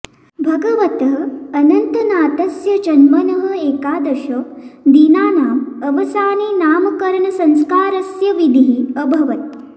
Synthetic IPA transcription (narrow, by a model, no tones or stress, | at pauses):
bʱɐɡɐʋɐt̪ɦɐɐnɐnt̪ɐnaːt̪ɐsjɐd͡ʒɐnmɐnɐɦɐ̆eːkaːd̪ɐʃɐd̪iːnaːnaːmɐʋɐsaːniːnaːmɐkɐɾɐɳɐsɐ̃ŋskaːɾɐsjɐʋid̪ʱiɦiɐbʱɐʋɐt̪̚